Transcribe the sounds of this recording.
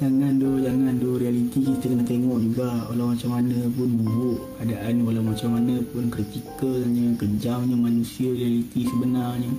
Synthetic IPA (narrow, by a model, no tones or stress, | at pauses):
d͡ʒaŋandohd͡ʒaŋandohrialit̪ikit̪əkənat̪eŋɔʔd͡ʒuɡaʔwalawmat͡ʃamːanəpʊnbubʊʔ | adaʔanwalawmat͡ʃamːanəpʊnkɾit̪ikəlɲəkəɲd͡ʒaŋɲəmanusiəɾialit̪isəbənarɲi